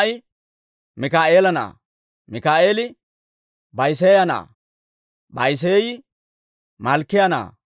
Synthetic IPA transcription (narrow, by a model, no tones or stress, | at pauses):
jɪ | mɪkaːʔeːlɐna̰ː | mɪkaːeːlɪ | bɐjs̬eːjɐna̰ː | bɐjs̬eːjɪ | mɐlkːɪjɐna̰ː